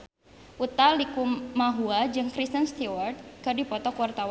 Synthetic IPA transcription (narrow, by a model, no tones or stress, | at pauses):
ʔut̪alikumaɦuad͡ʒɨŋkɾist̪ənst̪iwart̪̚kadipɔt̪ɔkuwart̪awa